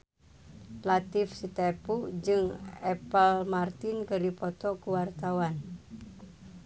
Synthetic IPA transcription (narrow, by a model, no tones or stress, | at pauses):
lat̪ifsit̪epud͡ʒɨŋɛpəlmart̪inkəɾipɔt̪ɔkuwart̪awan